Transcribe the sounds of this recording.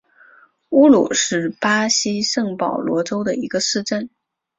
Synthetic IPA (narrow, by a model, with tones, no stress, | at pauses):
u˥lṵ˨˩ʂɻ̩˥˩pa˥ɕi˥ʂɤ˥˩ŋpɑ˨˩ʊlwɔ˧˥ʈ͡ʂo˥ʊd̪ə˨i˧˥ɡə˧sɹ̩˥˧ʈ͡ʂə˥˩n